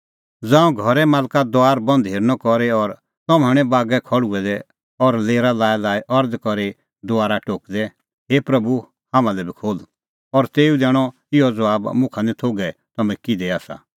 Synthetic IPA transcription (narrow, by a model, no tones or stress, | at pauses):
d͡zãːũɡʱɔɾɛmaːlkad̪oaːɾbɐ̃nd̪ʱɦeːɾnɔkɔɾɛɔɾ | t̪ɔmaɽ̃ɛ̃baːɡɛkʰɔɽuɛd̪ɛ | ɔɾleːɾalaːjlaːjʔɔɾd̪kɔɾe | d̪ʊaːɾaʈoːkd̪ɛ | ɦeːpɾɐbu | hãːmãlɛbʱikʰoːl | ɔɾt̪eːud̪ɛːɽ̃ɔ | ɪɔd͡zɐaːbmʊ̃kʰanit̪ʰoːɡɛt̪ɐmɛ̃kid̪ɛaːsa̰